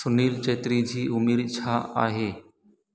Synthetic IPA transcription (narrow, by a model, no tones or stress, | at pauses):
sʊniːlt͡ʃeːt̪ɾiːd͡ʒʱiːʔʊmiːɾt͡ʃʰaːa̰ːɦeː